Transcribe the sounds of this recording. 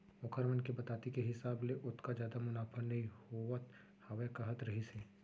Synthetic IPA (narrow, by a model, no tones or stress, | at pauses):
ʊkʰəɾmənkebɐt̪aːt̪ikeɦɪsaːbleʔʊt̪kad͡ʒjaːd̪amʊnaːfʰəɾnɐɦĩhoət̪ | hɐʋekɐɦət̪ɾɐɦiseː